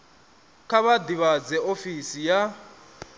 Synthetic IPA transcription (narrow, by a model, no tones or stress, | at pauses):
kʰaβad̪iβad͡zɛʔofisija